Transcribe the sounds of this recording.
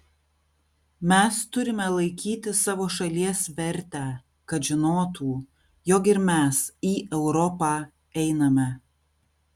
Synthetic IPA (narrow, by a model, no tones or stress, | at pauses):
mʲɛst̪ʊɾʲɪmʲɛlˠɐɪkʲiːt̪ʲɪsɑːʋoːʃɐlʲiɛsʋʲɛɾʲt̪ʲæːˑ | kɐt̪ʒʲɪnoːt̪ʰuː | jɔkɪɾmʲæsiːʔɛʊɾɔpɑː | ɛɪnɐmʲɛ